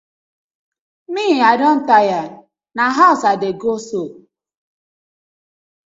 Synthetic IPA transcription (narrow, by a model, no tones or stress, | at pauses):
miadɔn̩taja | naɦaʊsadeɡoso